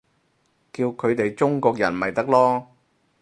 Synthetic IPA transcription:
kiː˧wkʰɵ˨˧ɥt̪e˨jt͡ʃʊ˥ŋkɔː˧k̚jɐ˨˩nmɐ˨jt̪ɐ˥k̚lɔː˥

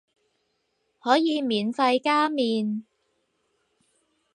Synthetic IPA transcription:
hɔː˨˥jiː˨˧miː˨˩nfɐ˧jkaː˥miː˨˧n

